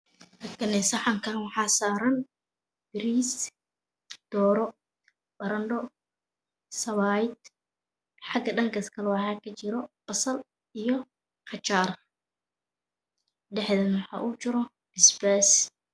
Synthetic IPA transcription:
hɐkʰɐnɛsɐħɑŋkʰɐnwɑħɑːsaːɾɐn | b̥ɪɾiːs | d̪̥ɔːɾɔ | bɐɾɐnɖɔ | sɐβaːjd̪ | ħɑɡɐɖɐŋkɐskʰɐlɛwɑħɑːkʰɐt͡ʃɪɾɔb̥ɐsɐl | ijɔ | qɑt͡ʃaːr | ɖɛħðɐnwɑħɑ̰ːʔuːt͡ʃɪɾɔ | bɪsbɛːs

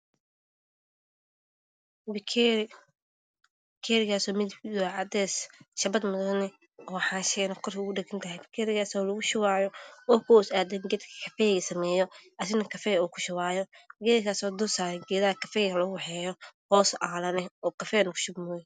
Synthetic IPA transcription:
bkʰː | kʰɛːɾɪɣaːsɔːmɪdɪd̪ɔʕɑd̪ɛːsʃɐbɐd̪mʊðɐnɛ | ɔːħaːnʃɛnɐkʰɔrkʰːʊɖɛɡɐnt̪ʰɐhɛbɪkʰɛɾɪɣaːsɔːlɐɣʊʃʊwaːjɔɔːkʰɔsaːd̪ɛŋɡɛd̪kʰɐ̥kʰɐfɛjɣɐsɐmɛːjɔʔɐs̬ɪnɐkʰɐfɛuːkʰʊ̥ʃɪwaːjɔɡɛːðɐkaːsɔːd̪ʊsaːɾɛɡɛːðɐhɐkʰɐfɛːjɣɐlɐɣʊwɑħɛːjɔhɔːsʔaːlɐnɛɔːkɐfɛːnɐkʰʊ̥ʃʊbmɔj

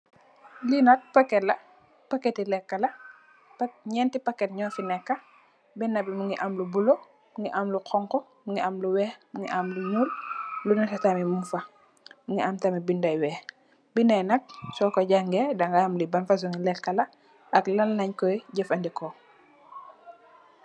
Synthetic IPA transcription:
linɐk̚pɐkːɛlɐ | pɐkɛtilɛkːɐlɐ | ɲɛntipɐkːɛtɲɔːfinɛkːɐ | bɛnːɐbimuŋiʔamlubulo | muŋiʔamluqʰɔŋkɔ | muŋɡiʔɐmluwɛːhmuŋɡḭʔamluɲuːllunɐsɐtamimufɐ | muŋɡiamtamibindɐjwɛːh | binɛnɐk̚sɔkɔɟaŋɡɛdɐŋɡaamlibɐnfɐs̬uŋilɛkːɐlɐ | ʔɐklɐlːɐɲkɔjɟɐfɐndikɔ

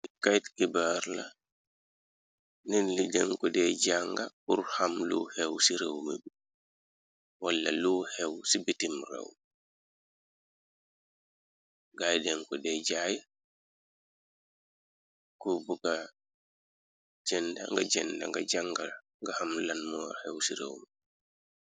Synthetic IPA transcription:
kajtkibaːɾla | ninlidɛŋkudɛɟaŋɡaurhamlṵhɛwsiɾewmḛbi | walːɐ̰luhɛwsibitimrḛw | ɡajdɛŋkɔdɛɟaːja | kubuɡa | d͡ʒɛnda̰ŋɡaɟɛnda̰ŋɡaɟaŋɡa | ŋɡahamlanmɔwahɛwsiɾḛwmi

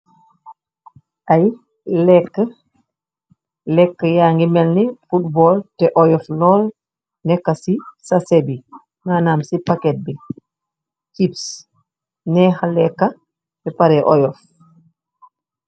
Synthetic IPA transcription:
ʔaj | lɛkːə | lɛkːajaːŋɡimɛlnɛfutbɔltɛʔɔjɔflɔːl | nɛkːasisasebi | maːnamsipakɛt̚bɛ | t͡ʃips | nɛːhalɛkːa | tɛpaɾɛʔɔjɔf

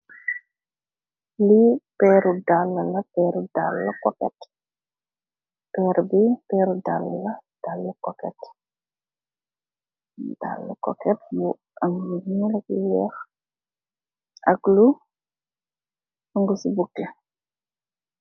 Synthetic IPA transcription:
lipɛɾudalːəlɐpɛɾudalːɐkɔkɛ̰t | pɛːɾbipɛːɾudalːəlɐd̥alːəkɔkɛt | da̰lːə̰kɔ̰kɛt̚mu | ʔɐmjunilɐk̚iwɛx | ʔɐklu | ɐŋɡusibukːɛ

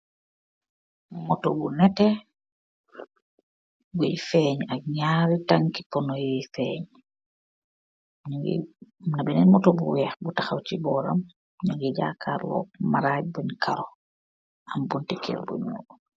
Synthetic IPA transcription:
mɔtɔbunɛtɛ | bujfɛɲak̚ɲaːɾitaŋkipɔnɔjijfɛːɲ | ɲuŋɡḭnabɛnɛnmɔtɔbuwɛːxbutaxawt͡ʃibɔːɾa̰m | ɲuŋɡiɟaːkʰaːɾlɔ̰ːk̚maɾaːj̚buɲkʰaɾɔ | ambuntikʰɛ̰lbṵɲṵː

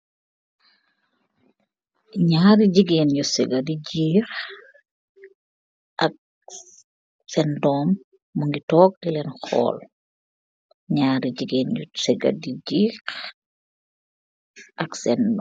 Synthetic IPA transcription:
ɲaːɾiɟiɡeːnjusɛɡɐdiɟiːx | ʔɐk̚ | sɛndɔːmː | uŋɡitɔːk̚dilɛnxɔ̰ːl | ɲaːɾiɟiɡeːnɟusɛɡɐ̰diɟiːk | ʔɐksɛnd

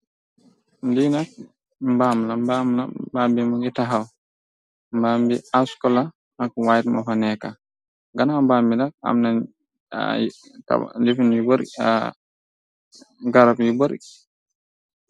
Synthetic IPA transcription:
ndinak̚ | mbamlambamla̰bambimɔɡɛtaɦaw | mbambiaskɔla | nakwajtmafanɛka̰ | ɡanambambinak̚a̰mna | ta̰difinjuboɾ̰ | ɡaɾabjubɔɾ

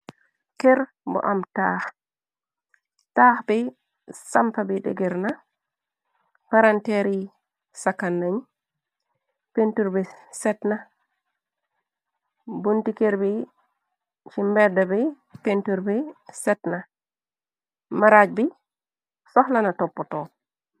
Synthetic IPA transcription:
kɛɾ | bɔ̰ʔamtaːh | taːhbɛ | sampabɛdɛ̰ɡɛɾna | paɾantɛɾi | sakːanːaɲ | pentuɾbɛsɛtna | buntikeɾbi | t͡ʃimbɛdːabɛ | pentuɾbɛsɛtna | maɾad͡ʒ̚bi | sɔhlanatɔpːɔtɔ

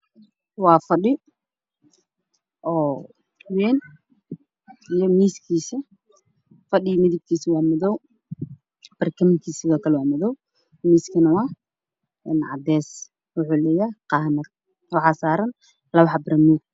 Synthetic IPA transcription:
wɑːfɐɗɪ | ʔɔː | tʰwɛːn | ijɔmiːskʰiːsɐ | fɐɗɪmɪðɪb̚kʰiːswɑːmɔðɔw | b̥ɐrkʰɐmɪŋkʰiːsɪβɔːkʰɐlɛwɑːmɔðɔw | miːskʰɐnɐwɑː | ɛnʕɑ̰d̪ɛːs | wʊħuːlɛːjaːqɑhnɐt̪ | wɑħɑːsaːɾɐn | lɐβɑħɑbɾɐmuːɡ̚

